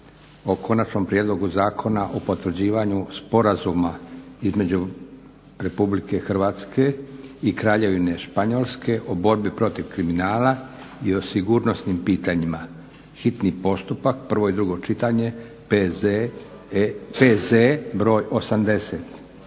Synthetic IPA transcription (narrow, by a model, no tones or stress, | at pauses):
o̞kʰo̞nat͡ʃno̞mpɾije̞d̪lˠo̞ɡuzaːkʰo̞naʔopo̞t̪ʋr̩d͡ʑiːʋaɲuspo̞ɾazumaizme̞d͡ʑu | ɾe̞publike̞xr̩ʋaːt̪skʰe̞ikɾaːʎe̞ʋine̞ʃpaɲo̞lˠske̞ʔobo̞ɾbipɾo̞t̪iʋkɾiminaːla | io̞siɡuːɾno̞snimpiːt̪aɲima | xit̪nipo̞st̪upakpr̩ʋo̞id̪ɾuɡo̞t͡ʃit̪aɲe̞ | pezebɾo̞ːjʔo̞samd̪e̞set̪